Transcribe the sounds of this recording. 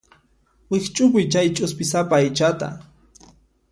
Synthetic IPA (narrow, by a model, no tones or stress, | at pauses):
wɪχt͡ʃʼʊp̬ʊjt͡ʃajt͡ʃʼʊspɪsapaːjt͡ʃat̪a̰